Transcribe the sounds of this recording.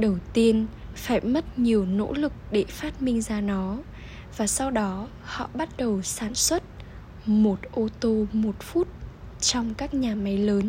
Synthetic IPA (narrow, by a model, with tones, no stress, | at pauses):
ɗə˨˩wt̪i˧ənfaː˧˩jmə˦˥t̚ɲi˨˩əwno̰˧˥lɨ˨˩k̚ɗe˧˩faː˦˥t̚mï˧ŋ̟zaː˧nɔ˨˦ | vaː˨˩sɔ˧wɗɔ˨˦ | hɔ̰˧˨ɓa˦˥t̚ɗə˨˩wsaː˧˩nswə˦˥t̚ | mo˨˩t̚ʔo˧t̪o˧mo˨˩t̚fu˦˥t̚t͡ɕɔ˧wŋ͡mkaː˦˥k̚ɲaː˨˩ma˨˦jləː˨˦n